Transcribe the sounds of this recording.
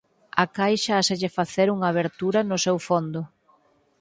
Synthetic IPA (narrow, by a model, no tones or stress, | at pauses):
akajʃaaseʎɪfaθeɾuŋaːβ̞eɾt̪uɾɐnʊsewfond̪ʊ